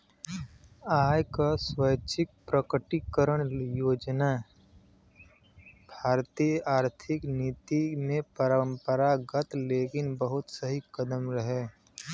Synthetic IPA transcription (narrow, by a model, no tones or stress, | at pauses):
aːjkaswəjt͡ʃʰɪk̚pɾəkəʈikəɾəɽ̃joːd͡ʒna | bʱaːɾt̪ijəʔaːɾt̪ʰɪkniːt̪imẽpəɾə̃mpəɾaɡət̪leːkɪnbəɦʊt̪səɦikəd̪əmɾəɦeː